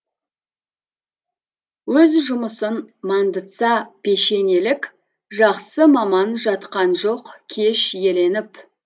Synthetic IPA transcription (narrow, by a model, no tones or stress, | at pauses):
wɵzʒʊməsənmɑnd̪ət̪sɑpe̞ʃe̞ne̞lɪkʲ | ʒɑqsəmɑmɑnʒɑt̪qɑnʒo̞qkʲʰe̞ʃje̞le̞nɪp